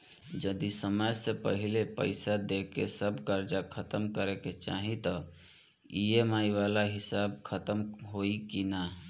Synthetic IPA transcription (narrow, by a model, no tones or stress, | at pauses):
d͡ʒəd̪isəməjsẽpə̰ɦilepəɪsad̪ekesəbkəɾd͡ʒakʰət̪əmkəɾɛket͡ʃa̰ɦit̪ɔ | iemaiʋalaɦisab̚kʰət̪əmɦoikina